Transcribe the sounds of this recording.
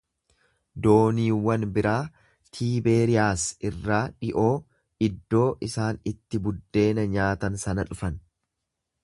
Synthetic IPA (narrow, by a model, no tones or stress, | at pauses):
d̪o̞ːniːwɐnbɪɾaː | t̪ʰiːbe̞ːɾɪjaːsɪrːaːᶑɪʔo̞ː | ɪd̪ːo̞ːʔɪsaːnɪt̪ːɪbʊd̪ːe̞ːnɐɲaːt̪ɐnsɐnɐᶑʊfɐn